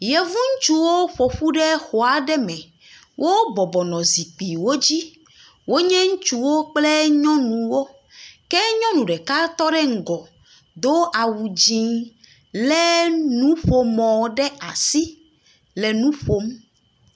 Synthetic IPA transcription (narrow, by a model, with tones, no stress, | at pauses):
jɛ˨vu˦ŋ̩˦t͡ʃu˦wo˦ɸo˨ɸu˦ɖɛ˦xo˨a˨ɖɛ˦mɛ̃˨ | wʔo˦bɔ˨bɔ˨nɔ̃˨zi˨k͡pi˨wo˦d͡ʑi˦ | wo˦ɲɛ̃˦ŋũ˦t͡ʃu˦wo˦k͡plɛ˦ɲɔ̃˦nũ˨wo˦ | kɛ˦ɲɔ̃˦nũ˨ɖɛ˨ka˦t̪ɔ˦ɖɛ˦ŋ̩˨ɡɔ˨ | d̪o˦ʔa˨wu˨d͡ʑĩ˦ | lɛ˦nũ˦ɸo˦mɔ̃˨ɖɛ˦a˨si˦ | lɛ˨nũ˦ɸo˦m